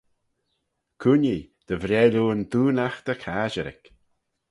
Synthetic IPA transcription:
kʰunid̪̥əvɾɛːluːənd̪uːnaxd̪̥əkʰaːʒəɾɪ̰k

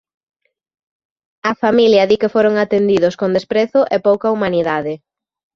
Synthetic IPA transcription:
ɐfamiljɐðikefoɾoŋat̪end̪iðʊskond̪espɾeθʊʔepowkɐumaniðaðɪ

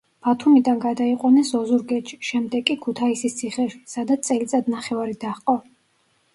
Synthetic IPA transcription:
b̥at̪ʰumid̪anɡad̪aiqʼwanɛsɔzuɾɡɛt̪ʃi̥ʃɛmd̪ɛkʼːikʰut̪ʰaisist̪sʰiχɛʃi̥sad̪at̪st̪sʼɛlit̪sʼad̪naχɛvaɾid̪aχqʼɔ

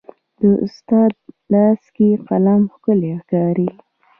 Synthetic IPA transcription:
d̪̥əʔʊst̪ɑd̪̚lɑskeqalɑmxkəlexkɑɾi

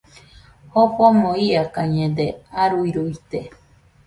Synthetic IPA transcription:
hopomõiakaɲẽd̪eaɾuiɾuit̪e

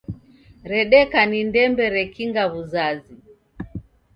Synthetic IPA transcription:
ɾɛɗɛkanindɛmbɛɾɛkiŋɡaβuzazi

